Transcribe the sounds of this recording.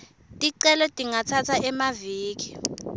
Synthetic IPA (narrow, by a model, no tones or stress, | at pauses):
tʼiǀɛlɔtʼiŋatʰatʰaʔɛmaviːk̬ʼi̥